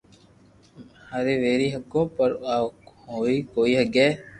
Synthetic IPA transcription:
haɾeːʋeːɾiːɦəkːõːpəɾ | ɦoːiːkoːiːɦəɡɛː

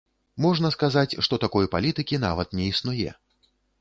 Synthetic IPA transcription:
mɔʐnɐskazat͡sʲʂt̪ɔt̪akɔjpalʲit̪ɨkʲin̪a̰vɐt̪nʲɛisnujɛ̰

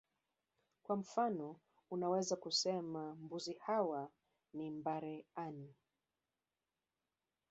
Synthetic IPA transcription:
kwam̩fanɔ | unawɛzakusɛmambuzihawa | nimbaɾɛani

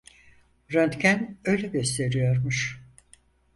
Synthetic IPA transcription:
ɾønt̪cʰænø̞jlʲɛɟøst̪ʰe̞ɾijo̞ɾmuʃ

